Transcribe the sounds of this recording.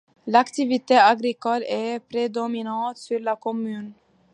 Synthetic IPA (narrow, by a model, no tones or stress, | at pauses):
lakt̪ɪʋɪt̪ʰeːɑɡɾɪkɔlɛpʰɾɛd̪ɔmɪnɑːt̪fylɑkʰɔmʉːn